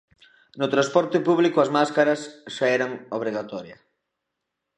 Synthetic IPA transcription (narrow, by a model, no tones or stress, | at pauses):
nʊt̪ɾaspɔɾt̪ɪpuβ̞likoazmaskaɾasʃaɛɾaŋoβ̞ɾiɣat̪ɔɾjɐ